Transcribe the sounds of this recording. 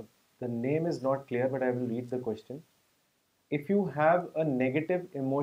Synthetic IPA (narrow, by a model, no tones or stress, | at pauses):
d̪̥ənẽːmɪznɔːʈ̚kliəɾbɐʈaɪʋɪlɾiːɖ̚d̪əkwɛst͡ʃə̃n | ɪfjuːɦæʋənɛɡəʈɪʋɪmoː